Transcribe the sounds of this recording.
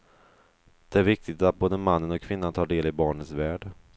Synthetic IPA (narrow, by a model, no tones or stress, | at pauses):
d̪̥ɛæɾvɪk̚t̪ɪt̪at̪̚boːd̪əmanːənɔkʰːvɪnːant̪ʰɑːɖeːlɪbɑːɳət̪svæːɖ